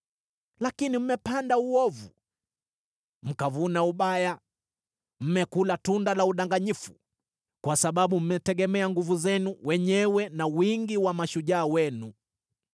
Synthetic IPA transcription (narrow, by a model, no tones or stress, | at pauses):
lakinim̩mɛpandauɔvu | m̩kavunauɓaja | m̩mɛkulatundalauɗaŋɡaɲifu̥ | kwasaɓaɓum̩mɛtɛɠɛmɛaŋɡuvuzɛnuwʔɛɲɛwɛnawiŋɡiwamaʃuʄaːwɛnu